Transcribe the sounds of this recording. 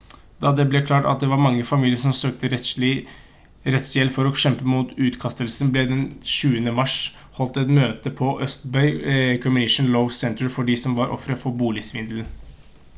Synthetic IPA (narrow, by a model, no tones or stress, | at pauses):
d̪̥ɑd̪ɛblɛkʰlɑːʈɑ̰t̪̚d̪ɛʋɑɾmɑŋːəfɑmiːlɪəɾʂɔmsøːk̚t̪əɾlɪ | ɾɛt̪sjɛlːfɔɾɔɕɛmpəmuːt̪ʉːt̪kʰɑst̪əlsnblɛd̪ɛnʃʉːənəmɑʂ | hɔlt̪ɛt̪møːt̪əpʰɔʔœst̪bœʏkʰɔmɪnɪʂnləʊʋsɛnt̪əɹfɔɖɪsɔmʋɑɾʔɔ̰fɾəfɔɾbuːlɪsʋɪnd̪ln